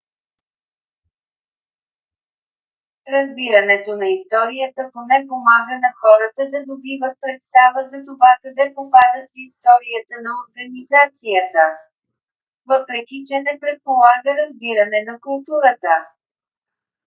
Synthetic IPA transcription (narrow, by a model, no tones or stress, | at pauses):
ɾɐzbiɾənɛt̪onɐist̪ɔɾijət̪əponɛpomaɡənɐxɔɾət̪əd̪ɐd̪obivət̪̚pɾɛt̪st̪avəzɐt̪ovakɐd̪ɛpopad̪ət̪ist̪ɔɾijət̪ənɐoɾɡənizat̪sijət̪ə | vɤpɾɛkʲit͡ʃɛnɛpɾɛt̪̚polˠaɡəɾɐzbiɾənɛnɐkʊlˠt̪uɾət̪ə